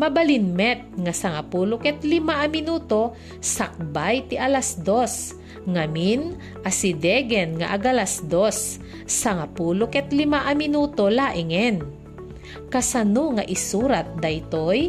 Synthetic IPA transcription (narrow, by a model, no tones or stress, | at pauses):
mɐbalinmɛt̪̚ŋasaŋapuːlokɛt̪lɪmaʔɐmɪnuːt̪o̞ | sak̚bajt̪iʔɐlasd̪os | ŋamin | ʔasɪd̪ɛɡɛnŋa̰ʔaɡalasd̪osː | aŋapuːlokɛt̪lɪmaʔɐmɪnuːt̪olaːʔɪŋɛn | kɐsɐnoŋaʔɪsuːɾat̪̚d̪ɐjt̪oj